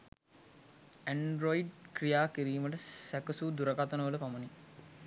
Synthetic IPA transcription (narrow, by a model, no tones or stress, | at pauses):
æɳɖɾoiɖkɾijaːkiɾiːməʈəsækɐsud̪uɾɐɡat̪ənəʋələpamɐni